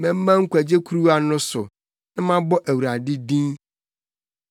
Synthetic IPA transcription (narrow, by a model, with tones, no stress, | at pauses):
mɛ̃˨m̩˦mã˦ŋ̩˦kʷʰæ˨d͡ʑe˦kʰu˦ɾu˦a˨nʊ̃˦sʊ˨ | nã˦mã˦bɔ˦ʔæ˨wu˨ɾa˨dɪ˦dĩ˦n